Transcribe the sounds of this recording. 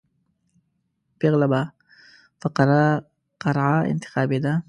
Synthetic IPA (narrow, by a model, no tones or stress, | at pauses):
peɣlaba | faqɾ | qɑɾʕaɪ̰nt̪ɪ̥xɑːbed̪a